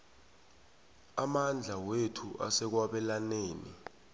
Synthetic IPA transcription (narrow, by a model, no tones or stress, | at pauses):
amand͡ɮʱawetʰuʔa̰sɛk̬waɓɛlaneːnḭ